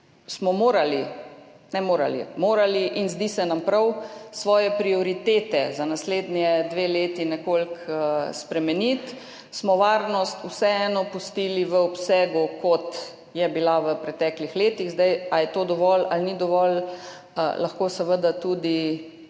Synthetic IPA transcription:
smɔmoːɾali | nɛmoːɾa̰lḭmoːɾaliʔinzd̪isɛnampɾɐwsʋɔːjɛpɾiɔɾit̪eːt̪ɛzanasleːd̪njɛd̪ʋeːleːt̪inɛkolkspɾɛmɛnit̪ | smɔʋaːɾnɔst̪usɛɛːnɔpust̪iːliʋəɔpsɛːɡukɔt̪ | jɛbilaʋəpɾɛt̪ɛːklixleːt̪iɣzd̪ajajɛt̪od̪ɔʋɔlalnid̪ɔʋɔl | la̰xkosɛʋəd̪at̪ud̪i

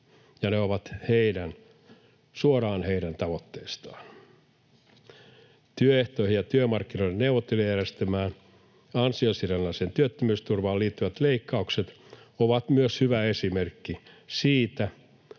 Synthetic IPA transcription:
jɑneoʋɑt̪heidæn | suorɑːnhe̞idænt̪ɑʋot̪ːeːst̪ɑːn | t̪yøeht̪oihijjɑt̪yømɑrkːino̞idenːewʋot̪ːelujærest̪æmæːn | ɑnsiosirenːɑseːnt̪yøt̪ːømyːst̪urʋɑːliːt̪ːyʋæt̪leikːɑukset̪ | oʋɑt̪myøshyʋæesimerkːi | siːt̪æ

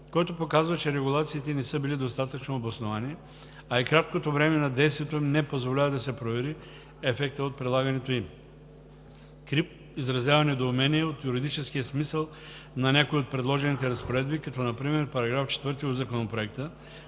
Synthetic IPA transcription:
kɔjt̪opokazvət͡ʃɛɾɛɡulˠat̪siːt̪ɛnɛsəbilid̪ost̪at̪ət͡ʃnoːbɐsnovani | aikɾat̪̚kot̪ovɾɛmɛnɐd̪ɛjst̪viɛt̪oimnɛpozvolʲavɐd̪ɐsɛpɾovɛɾi | ɛfɛk̚t̪əot̪̚pɾɛd̪lˠaɡɐnɛt̪oim | kɾip̚ | izɾɐzjavɐnɛd̪oːmɛniɛot̪juɾid̪it͡ʃɛskiəsmisəlˠ | nɐnʲakoiot̪̚pɾɛd̪lˠɔʒɛnit̪ɛɾɐspoɾɛd̪bikɐt̪ɔnɐpɾimɛɾpɐɾɐɡɾaft͡ʃɛ̥t̪vəɾt̪iod̪zɐkonopɾoɛkt̪ə

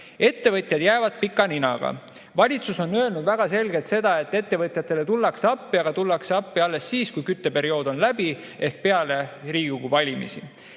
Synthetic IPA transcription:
e̞t̪ːe̞vɤt̪ʲˑjɑd̪̥jæːvɑd̪̥̚pikːˑɑninɑ̰ɡ̥ɑ̰ | vɑlʲit̪suso̞nø̞lnud̪væɡ̥ɑse̞lɡe̞lt̪se̞d̪̥ɑe̞t̪ːˑe̞t̪ːe̞vɤt̪ʲˑjɑt̪ːˑe̞le̞t̪ulːɑksɑpːiɑɡ̥ɑt̪ulːɑkseɑpːiɑlːe̞sːiːskujkyt̪ːe̞pe̞ɾio̞ːd̪̥o̞nlæb̥i | e̞hk̚pe̞ɑle̞ɾiːɡ̥ukuvɑlʲimḭsi

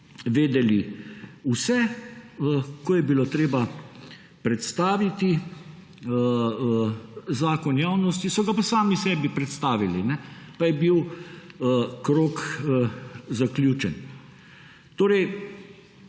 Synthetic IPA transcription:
ʋeːd̪ɛliusɛəkojɛbiloːt̪ɾeːba | pɾɛt̪st̪aːʋit̪i | zaːkɔnjaːwnɔst̪isɔɡapasaːmisɛːbipɾɛt̪st̪aːʋilinɛpajɛbiw | kɾoːk | zaklʲjuːt͡ʃɛn | t̪oːɾɛj

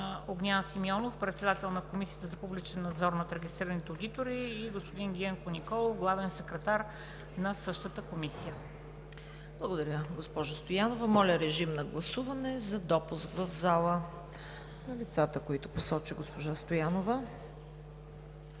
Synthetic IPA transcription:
oɡnʲansimiɔnofpɾɛt̪sɛd̪at̪ɛlˠnɐkomisiət̪əzɐpublit͡ʃɛnːɐd̪zɔɾnɐt̪ɾɛɡʲist̪ɾiɾənit̪ɛod̪it̪oɾiːɡospod̪inɡʲiɛŋkonʲikɔlˠoɡlˠavɛnsɛkɾɛt̪aɾ | nɐsɤʃt̪ət̪əkomisijə | blˠɐɡod̪ɐɾʲəɡospɔʒəst̪ojanovəmɔlʲəɾɛʒimnɐɡlˠɐsuvɐnɛzɐd̪ɔpuskvɐvzalˠə | nɐlit̪sat̪əkoit̪ʊposɔt͡ʃiɡospoʒast̪ojanovə

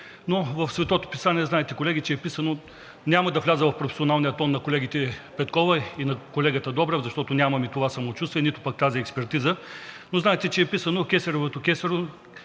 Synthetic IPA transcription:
novɐfsvɛt̪ɔt̪o̥pisaniɛznaɛt̪ɛkolɛɡʲit͡ʃɛɛpisɐno | nʲamɐd̪ɐvlʲazəvɐfpɾofɛ̥sionalˠnijɐt̪ɔnːɐkolɛɡit̪ɛpɛt̪kɔvɐinɐkolɛɡət̪əd̪ɔbɾɛvzɐʃt̪ɔt̪ʊnʲamɐmit̪ovasɐmot͡ʃust̪viɛnit̪ʊpak̚t̪aziɛkspɛɾt̪izənoznaɛt̪ɛt͡ʃɛɛpisɐnokʲɛsɐɾovot̪okʲɛsɛɾo

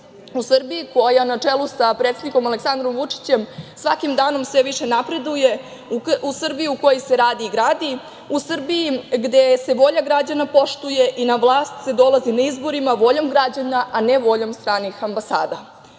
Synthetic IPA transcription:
usr̩biiko̞janat͡ʂelˠusapɾet̪se̞d̪niko̞maleksand̪ɾo̞mʋut͡ʂi̥t͡ɕe̞msʋakimd̪aːno̞msʋeʋiʂe̞napɾe̞d̪uje | usr̩bijiuko̞joseɾaːd̪iːɡɾaːd̪i | usr̩bijiɡd̪e̞se̞ʋo̞ʎaɡɾad͡ʑanapo̞ʃt̪uje̞ʔinaʋlˠaːst̪se̞d̪o̞lˠazinaizbo̞ɾimaʋo̞ʎomɡɾad͡ʑanaʔane̞ʋo̞ʎomst̪ɾaːnixambasa̰ːd̪a

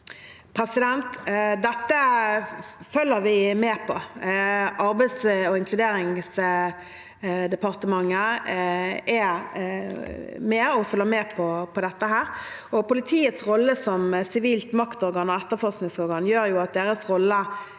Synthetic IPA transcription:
pʰʁɛsɪd̪ɛnt̪d̪ɛt̪ːə | fœlːəɾʋɪmeːpʰɔ | ɑɾbæɪd̪sɔɪŋklʉd̪eːɾɪŋs | d̪ɛpɑʁt̪əmɑŋːə | ɛ | mɛɔfœlːəmeːpʰɔpʰɔd̪ɛt̪ːəɦæːʁ | ɔpʊlɪt̪ʰiːət̪sʁɔlːəsɔmsɪʋiːlt̪mɑkt̪ɔɾɡɑnɔɛt̪ːəfɔʁsknɪŋsɔɾɡɑnjøːɾjʊɑt̪̚d̪eːɾəsʁɔlːə

